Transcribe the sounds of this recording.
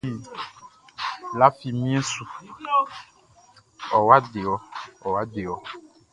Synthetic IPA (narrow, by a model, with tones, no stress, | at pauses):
i˦ | la˦fi˨mĩ˦ẽ˦su˨ | ɔ˨wa˦ɖe˨wɔ˨ɔ˨wa˦de˨wɔ˨